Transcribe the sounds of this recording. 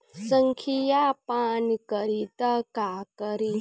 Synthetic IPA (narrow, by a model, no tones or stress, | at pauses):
səŋkʰijapankəɾit̪əkakəɾi